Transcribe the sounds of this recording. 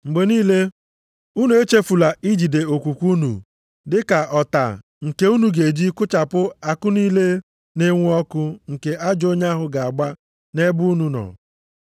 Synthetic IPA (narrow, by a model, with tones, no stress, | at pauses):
ŋ͡m̩˨ɡ͡be˨niː˦le˦ | u˦nu˨˦e˦t͡ʃe˦fu˨la˨i˦d͡ʒi˨de˨o˨kʷu˨kʷu˦nṵ˨ | dɪ˦ka˨ɔ˨ta̰˨ | ŋ̩˨ke˦u˦nu˨ɡe˨d͡ʒi˦kʊ˦t͡ʃa˨pʊ˦a˨kʊ˦niː˦le˦ | ne˦ŋʷ˦ɔ˦kʊ˦ŋ̩˨ke˦ʔa˦d͡ʒo˦ɲa˦ɦʊ˦ɡa˨a˨ɡ͡ba˦ | ne˦bu˦nu˨nɔ̰˨